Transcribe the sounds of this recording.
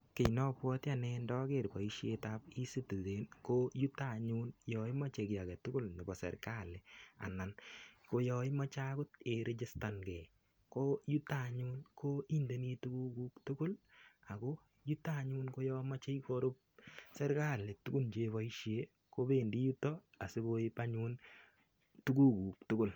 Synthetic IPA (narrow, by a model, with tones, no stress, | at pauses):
kɪ˨nɔ˦pwɔ˦tja˨nɛ˧ndɔ˦ke˦˨ɾpa˨iʃje˦tapi˦sɪ˦tu˨ðe˨nkoju˦taɲu˦njɔ˨ɪ˦ma˦t͡ʃe˨kɪ˨a˨kɛ˨tʊ˦kʊ˦lnɪ˨bɔ˨sɛ̰ɾka˦lea̰˨na˨nko˦jɔ˧jma˦t͡ʃa˦kʊ˦t̚e˨ɾʔɪ˦t͡ʃɪ˦sta˨nɡɛ˨ | ko˦ju˦ta˨ɲu˦nkʰo˦i˦nde˨ni˦tu˦ku˦ku˦ktʊ˦kʊ˦la˨ko˦ | ju˦ta˦ɲu˦nko˦jɔ˦ma˦t͡ʃe˦jko˦ɾʊ˦p̚sɛ˦ɾka˦˨lɪ˨tu˦ɡu˦lt͡ʃe˦βa˦i˦ʃe˦ | ko˦be˦ndi˦ju˦tɔ˦ | a˨sɪ˦ko˦ɪ˦pa˦ɲu˦n | tu˦ɡu˦kuː˨k̚tʊ˦kʊ˦˨l